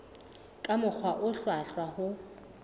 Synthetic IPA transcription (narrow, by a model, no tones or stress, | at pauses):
kʼamʊk͡xʰwaʔʊɬwaɬwahʊ